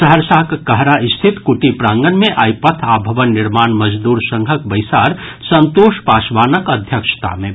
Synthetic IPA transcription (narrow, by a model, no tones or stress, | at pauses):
səɦəɾsaɦkkəɦɾaɪst̪ʰit̪kuʈipɾãːŋɡənmẽʔaːjpət̪ʰaːbʱəʋənːɪɾmaːnməd͡ʒd̪uːɾsə̃ŋɡʱəkbəjsaːɾ | sə̃nt̪oːʃpaːsʋaːnəkəd̪ʱjəkʃə̥t̪a̰mẽ